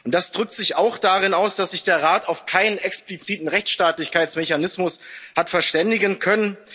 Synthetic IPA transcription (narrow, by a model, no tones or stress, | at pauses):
ʔʊntd̥asd̥ʁʏk̚tz̥ɪçaʊxd̥aʁɪnaʊsd̥asz̥ɪçd̥eːɐʁaːtaʊfkʰaɪnənɛksplit͡siːtn̩ʁɛçt͡sʃtaːtlɪçkaɪtsmeçanɪsmʊshatfɛɐʃtɛndɪɡənkʰœnən